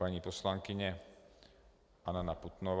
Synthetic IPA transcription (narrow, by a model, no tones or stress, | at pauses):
aɲipɔslaŋkiɲɛ | ʔananaput̪nɔʋ